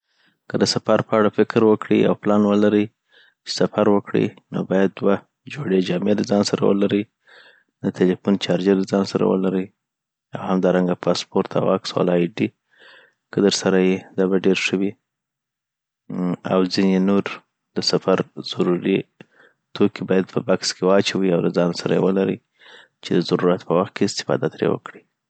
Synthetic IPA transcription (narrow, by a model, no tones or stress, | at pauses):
kəd̪əsafaɾpəaɽafɪkɾwəkɽḭa̰wplɑnwəlaɾəj | t͡ʃe̥safaɾwəkɽḭno̰bɑjad̪̚ːwa | d͡ʒoɽed͡ʒɑmelazɑnsaɾa̰wə̰laɾəj | d̪ət̪ʰelifunt͡ʃɑɾd͡ʒelazɑnsaɾa̰wə̰laɾəj | awhamd̪ɑɾaŋɡapʰɑspoɾt̪ʰa̰wɑksɑ̰lɑjɖi | kəd̪əɾsaɾajed̪ɑbaɖeɾʂəwi | a̰wzinenoɾ | d̪əsafaɾz̥aɾuɾi | t̪ʰokːibɑjad̪̚pʰəbakskewɑt͡ʃawiawlazɑnosaɾa̰jḛwəlaɾə̰j | t͡ʃed̪əzaɾuɾat̪pəwaxt̪̚keɪst̪ɪ̥fɑ̰d̪at̪ɾḛwə̰kɽi